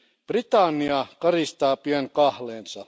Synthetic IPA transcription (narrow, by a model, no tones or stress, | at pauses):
b̥rit̪ɑnːiɑkɑrist̪ɑːpiæŋkɑhleːnsɑ